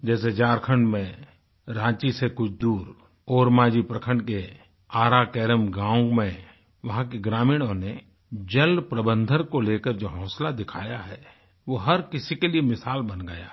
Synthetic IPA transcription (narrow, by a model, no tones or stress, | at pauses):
d͡ʒɛːs̬ed͡ʒaːɾkʰəɳɖmẽ | ɾãːt͡ʃisekʊt͡ʃʰd̪uːɾ | oːɾmaːd͡ʒipɾəkʰə̃ɳɖke | aːɾakɛːɾəmɡãːʊ̃ŋɡmẽ | ʋɐɦãkeɡɾaːmiːɽ̃õne | d͡ʒəlpɾəbə̃nd̪ʱəɾkoleːkəɾd͡ʒoːɦɔ̃ːslad̪ɪkʰa̰ːjaɦɛː | ʋoɦɐɾkɪsikeliemɪsaːlbənɡəja̰